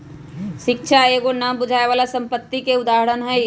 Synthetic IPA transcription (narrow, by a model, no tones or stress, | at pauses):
ʃɪkʃʰaeːɡonabʊd͡ʒʱaːeʋaːlasə̃mpət̪ːikeʊd̪aːɦəɽənɦɛ